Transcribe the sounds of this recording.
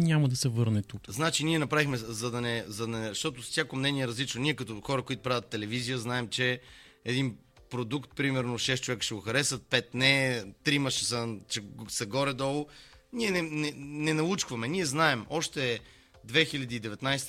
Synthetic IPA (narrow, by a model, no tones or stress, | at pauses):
nʲamɐd̪ɐsɛvɤɾnɛt̪ukznat͡ʃiniɛnɐpɾavixmɛzɐd̪ɐnɛzɐd̪ʃt̪ɔt̪ossʲjakomnɛniɛɾɐzlit͡ʃnoniɛkɐt̪oxɔɾəkoit̪ʊ̥pɾavʲət̪ːɛlɛvizijəznaɛmt͡ʃɛɛd̪in | pɾod̪ukt̪pɾimɛɾnoʃɛst͡ʃovɛkə̥ʃɛɡoxɐɾɛsət̪̚pɛt̪nɛt̪ɾimɐʃɛsət͡ʃɛsɐɡɔɾɛd̪ɔlˠoniɛnɛnɛnɛnɐlˠut͡ʃkvɐmɛnʲiɛznaɛmɔʃt̪ɛ | d̪vɛxiʎʲɐd̪iːd̪ɛvɛt̪najst̪